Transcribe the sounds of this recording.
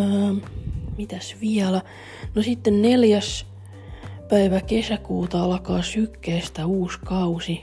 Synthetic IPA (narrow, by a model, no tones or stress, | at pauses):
mit̪æsʋiælæ | nosit̪ːenneljæs | pæiʋækesækuːt̪ɑɑlkɑːsykːeːst̪æuːskɑusi